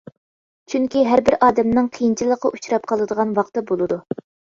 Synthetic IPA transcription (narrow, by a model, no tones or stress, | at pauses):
t͡ʃʰyŋkʲiɦæɾbɪɾʔɑːd̪ɛmnɨŋqʰijint͡ʃʰilˠəqːɑʔut͡ʃuɾɑp̚qʰɑlˠɨd̪əʁɑnwɑqt̪ɨbolˠɨd̪u